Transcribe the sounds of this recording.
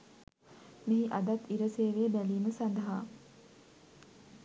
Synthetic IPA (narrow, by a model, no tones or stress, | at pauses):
meɦiʔad̪at̪iɾəseːʋeːbæliːməsand̪əɦaː